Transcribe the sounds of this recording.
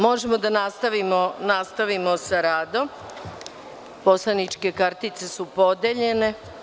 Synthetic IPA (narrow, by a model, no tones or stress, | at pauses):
mo̞ʒemod̪anast̪aʋimonast̪aʋimo̞saɾaːd̪o̞m | po̞slanit͡ʃke̞kaɾt̪it̪se̞supo̞d̪eʎe̞ne̞